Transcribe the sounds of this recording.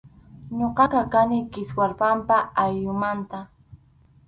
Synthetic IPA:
ɲoqɑqɑkanɪkɪswaɾpampaajʎʊmant̪a

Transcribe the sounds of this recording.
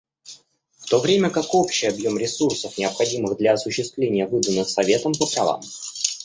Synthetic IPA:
ft̪o̞vɾʲemʲəkako̞pɕɪjɐbjo̞mɾʲɪsursəfnʲɪəpxɐdʲimɨɣd̪lʲɐːsʊɕːɪst̪vlʲenʲɪjəvɨd̪ənːɨxsɐvʲe̞t̪əmpəpɾɐva̰m

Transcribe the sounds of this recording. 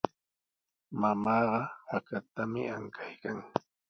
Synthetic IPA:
mamɑːɢɑhakat̪amɪaŋkʰajkaŋ

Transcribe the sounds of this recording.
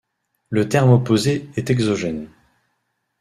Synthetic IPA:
lət̪ɛʁmopozeɛt̪ɛɡzɔʒɛn

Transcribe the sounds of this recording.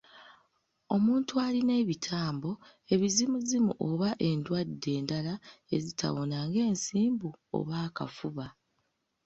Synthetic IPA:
o̞muːntualine̞βitʰaːmbo̞ | e̞βizimuzimṵʔoβaʔe̞ndwadːe̞ːndalae̞zitʰa̰βo̞naŋɡe̞ːnsiːmbuo̰βaːka̰fuβa

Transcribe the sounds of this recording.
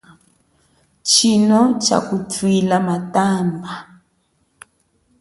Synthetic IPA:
t͡ʃinɔt͡ʃa̰kutwilamatamba

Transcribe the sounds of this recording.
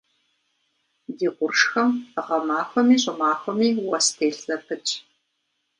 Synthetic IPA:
diːʔʷʊrʂxɐməʁɐmaːxʷɔmiːɕʼɐmaːxʷɔmiːwɐstʰeːɬsɐpʰɨt͡ʃʼ

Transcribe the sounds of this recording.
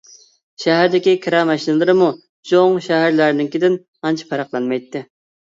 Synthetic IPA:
ʃæɦæɾd̪ɪkʲikʲʰɾɑmɛʃinɨlˠɨɾɨmu | d͡ʒʰoŋʃæɦæɾlæɾnɪŋkʲid̪ɪn | ɑnt͡ʃʰi̥pʰɑɾɑqlˠɑnmɑjt̪ːɪ

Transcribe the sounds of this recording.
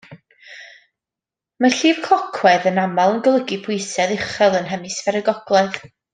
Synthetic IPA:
maɬiːv̥kʰɔkʰwɛðənamalˠənɡəlˠəɡipʰʊjsɛðɪχɛlˠənɦɛmɨsvɛɾəɡɔɡ̥lˠɛð

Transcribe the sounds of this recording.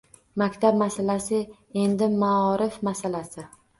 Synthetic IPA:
makʲt̪ʰabmasalasɪ | e̞nd̪ɪmaɒɾɪfmasalasɪ

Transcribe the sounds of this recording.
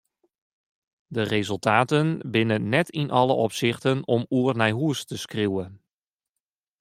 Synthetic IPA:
dərezɵlˠtʰaːtənbɪnəːɛtʰinʔɑlə̰ʔɔpsɪxtənɔmuərnɛjɦuəstəskriwə

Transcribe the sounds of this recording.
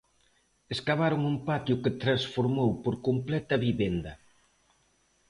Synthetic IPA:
eskaβaɾoŋumpat̪jʊket̪ɾaŋsfoɾmowpoɾkomplɛt̪ɐβiβend̪ɐ

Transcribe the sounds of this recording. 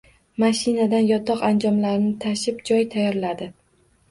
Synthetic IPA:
maʃɪnad̪anjɒt̪ʰɒqand͡ʒɒmlaɾɪnɪt̪ʰaʃɪpd͡ʒɒjt̪ʰajɒɾlad̪ɪ

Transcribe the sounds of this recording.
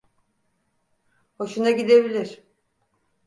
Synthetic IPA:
ho̞ʃunaɟid̪e̞bilʲiɾ̥

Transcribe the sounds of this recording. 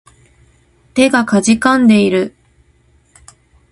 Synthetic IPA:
t̪e̞ɡakaʑikãnd̪e̞iɾɯ̟

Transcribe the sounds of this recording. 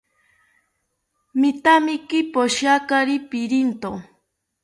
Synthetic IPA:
mit̪amɪkɪpoʃakaɾipiɾint̪o

